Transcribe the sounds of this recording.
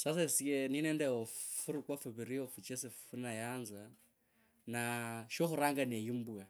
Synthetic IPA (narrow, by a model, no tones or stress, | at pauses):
sas̬esikeninɛndɛofuɾukwafuβiɾiofut͡ʃɛseffunajaːnza | naʃoxuɾaŋɡanejimbua